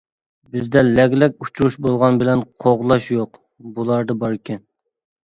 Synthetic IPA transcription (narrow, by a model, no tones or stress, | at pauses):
bɪzd̪ɛlɛɡʲlɛkʲut͡ʃʰuɾuʃbolˠʁɑnbɪlɛnqʰoʁlˠɑʃjoq | bulˠɑɾd̪ɑbɑɾkʲʰɛn